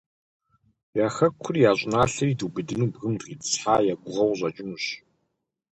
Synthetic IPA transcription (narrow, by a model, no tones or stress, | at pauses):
jaːxɐkʷʰʊrjaːɕʷʼɪnaːɬɐriːduːbɨdɨnuːbɣɨmdʁiːtsħaːjaːɡʷʊʁɐwʑʼɐt͡ʃʼɪnuɕ